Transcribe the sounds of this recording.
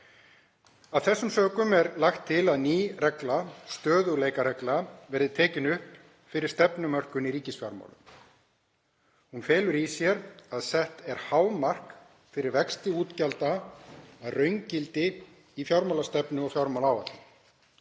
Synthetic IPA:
aðθɛsːʏmsœːkʏmɛɾlaxt̪ʰːɪlaðniːrɛklast̪œːðʏɣleːjkaɾɛklavɛɾðɪt̪ʰɛːcɪnʏhp | fɪɾɪɾ̥st̪ɛpnʏmœr̥kʏniɾiːcɪsfjawɾma̰ːwlʏ̰m | hunfɛːlʏɾisjɛɾaðsɛht̪ɛɾ̥haːwmar̥k | fɪɾɪɾvɛkst̪ɪuːt̪calt̪aː | ðrœɥɲcɪlt̪ɪ | ifjawɾmawlast̪ɛpnʏɔfjawɾmawlaːwvat̪lɪ

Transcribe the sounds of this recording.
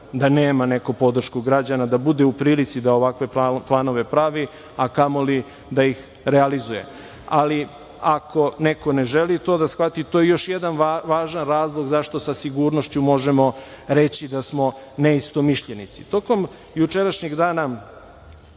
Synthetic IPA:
d̪aneːmane̞kupo̞d̪r̩ʃkuɡɾad͡ʑanad̪abud̪eupɾiːlit̪sid̪aoʋakʋe̞plˠano̞ʋe̞pɾaʋi | akamoli | d̪aix | ɾealizuje̞̰ | ali | akʰo̞neko̞neʒelit̪o̞ːd̪asxʋat̪it̪ojejo̞ʃjed̪anʋaːʒanɾaːzlˠoɡzaʃt̪o̞sasiɡuɾnoʃt͡ɕumo̞ʒemo̞ | ɾe̞t͡ɕid̪asmo̞ | neist̪o̞miʃʎenit̪sit̪o̞ko̞m | jut͡ʃe̞ɾaʃɲiɡd̪aːna

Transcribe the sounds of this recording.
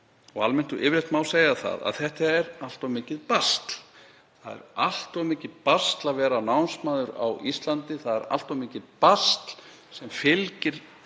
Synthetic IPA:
ɔɣalmɛnt̪uʔɪvɾɛht̪maːwlseːjaθa̰ða̰ðθɛht̪aɛɾal̥t̪ɔmɪːcɪðpast̪l | θaðɛ̰ɾal̥t̪ɔmɪːcɪðpast̪laðvɛːɾanawnsmaːðʏɾa̰wist̪lant̪ɪθaðɛɾa̰l̥t̪ɔmɪːcɪðpast̪l̥ | sɛmfɪlcɪɾ̥

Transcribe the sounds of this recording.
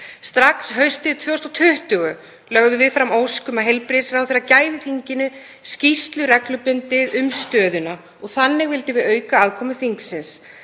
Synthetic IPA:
st̪ɾaksɦœɥst̪ɪt̪ʰvœwst̪ɔt̪ʰʏht̪ʏɣʏ | lœɣðʏvɪðfɾamoːwskʏmaðɦejlpɾɪsɾawθeːɾacaːjðɪθiɲcɪnʏ | scist̪lʏɾɛklʏpʏnt̪ɪðʏmst̪œːðʏna | ɔɣθanːɪɣvɪlt̪ɪvɪðœːɥkaaðkʰɔːmʏθiŋksɪns

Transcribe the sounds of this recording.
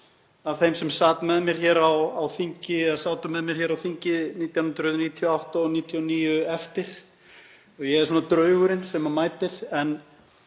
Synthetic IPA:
avθejmsɛmsaːt̪mɛðmjɛɾ̥çɛːɾawawfiɲcɪɛasaːwt̪ʏmɛðmjɛɾ̥çɛːɾawfiɲcɪniːt̪jawnʏnt̪ɾʏːt̪niːt̪ʰjɔawht̪aɔniːt̪ʰjɔniːjʏɛft̪ɪɾ̥ | ɔɣjɛɛɾsuːnat̪ɾœːɥɣʏɾɪnsɛmamaːjt̪ɪɾ̥ɛn

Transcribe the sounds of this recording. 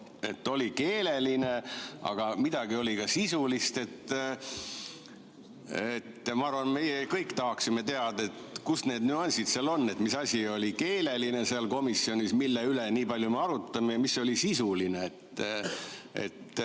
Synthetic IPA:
e̞̰t̪ːo̞like̞ːle̞line̞ʔɑ̰ɡ̥ɑmid̪̥ɑɡ̥io̞lʲikɑsisulist̪e̞t̪ː | et̪ːˑmɑɑɾrvɑnme̞jekɤjkːt̪ɑɦɑksime̞t̪e̞ɑd̪ɑet̪kusne̞ːd̪nyɑnʲsit̪seɑlo̞nːe̞t̪ːˑmisɑsʲio̞lʲike̞ːle̞line̞seɑlko̞misio̞nʲismilːeyleniːpɑlʲjumeɑɾut̪ːˑɑmejɑmisːo̞lʲisisulineet̪ː | ḛt̪ː

